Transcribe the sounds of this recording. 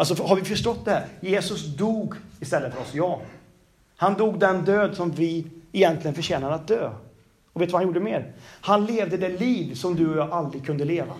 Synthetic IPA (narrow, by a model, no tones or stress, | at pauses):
als̬ɔfɦaɾvɪfœʂʈɔt̪̚ːd̪ɛhæːɾjeːsɵsd̪uːɡɪst̪ɛlːət̪fœɾɔsjɑː | hand̪uːɡd̪ɛnd̪øːd̪sɔmvɪɛjɛnt̪lɪɡənfœʂɛːnad̪əat̪̚d̪øː | ɔveːt̪vahanjuːɖəmɛːɾhanleːvd̪əd̪ɛliːvsɔmd̪ɵɔjɑʔald̪ɾɪɡ̚kʰɵnd̪əleːva̰